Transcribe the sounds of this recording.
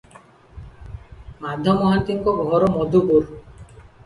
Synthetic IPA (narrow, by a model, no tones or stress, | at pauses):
mad̪ʱɔmɔɦant̪iŋkɔɡʱɔɾɔmɔd̪ʱubuɾ